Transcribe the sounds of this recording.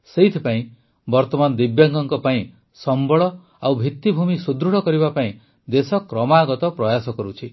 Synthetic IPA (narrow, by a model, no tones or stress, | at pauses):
seit̪ʰipaĩ | bɔɾt̪ɔmanɔd̪ibjaŋɡɔŋkɔpaĩ | sɔmbɔɭɔ | awbʱit̪ːibʱumisud̪ɾuɽ̤ɔkɔɾibapaĩ | d̪esɔkɾɔmaːɡɔt̪ɔpɾɔjasɔkɔɾut͡ʃʰi